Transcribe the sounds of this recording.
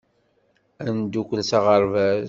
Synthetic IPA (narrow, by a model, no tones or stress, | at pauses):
ænd̪ukʷːəsɑʁəɾˤvæ